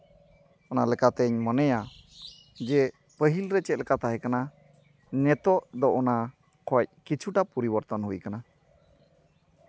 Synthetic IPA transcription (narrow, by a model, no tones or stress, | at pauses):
ɔnalɛkat̪ɛɲmənɛja | d͡ʒɛ | pəɦilɾɛt͡ʃɛt̪̚lɛkat̪aɦɛkana | nɛt̪ɔʔd̪ɔʔɔna | kʰɔc̚kit͡ʃʰuʈapuɾibəɾt̪ɔnɦujkana